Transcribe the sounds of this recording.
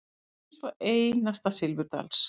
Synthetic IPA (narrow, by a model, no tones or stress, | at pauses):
ɛsvɔʔeːjnast̪asɪlvʏɾt̪a̰ls